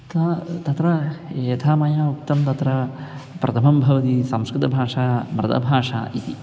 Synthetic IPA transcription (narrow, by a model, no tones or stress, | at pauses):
t̪ɐt̪ɐt̪ɾɐeːt̪ʰaːmɐjaːuk̚t̪ɐmt̪ɐt̪ɾɐpɾʔɐt̪ʰɐmɐmbʱɐʋɐt̪isɐmskɾɪt̪ɐbʱaːʂaːmɾɐd̪ɐ̰bʱaːʂa̰ːʔit̪i